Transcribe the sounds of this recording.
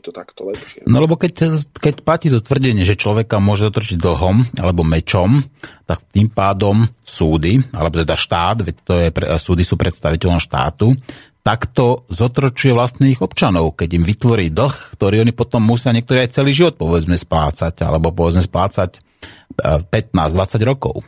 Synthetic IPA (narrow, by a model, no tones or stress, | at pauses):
t̪t̪ak̪ɔlɛʃnɔ̰lɛbɔkɛckɛcplaciːt̪ɔt̪ʋr̩ɟɛɲɪɛʒɛt͡ʃlɔʋɛkamʊɔʒɛzɔt̪ɾɔt͡ʃiɟ̚d̪l̩ɦɔma̰lɛbɔmɛt͡ʃɔmt̪akt̪iːmpaːd̪ɔmsuːd̪ia̰lɛbɔt̪ɛd̪aʃt̪aːd̪ʋɛc̚t̪ɔjɛpɾsuːd̪isuːpɾʔɛt̪st̪aʋicɛʎɔmʃt̪a̰ːt̪ut̪akt̪ɔzɔt̪ɾɔt͡ʃujɛʋlast̪niːɣɔpt͡ʃanɔʊkɛɟimʋit̪ʋɔɾiːd̪l̩xkt̪ɔɾiːɔnipɔt̪ɔmːusɪaɲɪɛk̚t̪ɔɾiajt͡sɛliːʒiʋɔt̪̚pɔʋɛd͡zmɛspla̰ːt͡saca̰lɛbɔpɔʋɛd͡zmɛsplaːt͡sac | pɛt̪̚naːzd̪ʋat͡saɟɾɔkɔ̰ʊ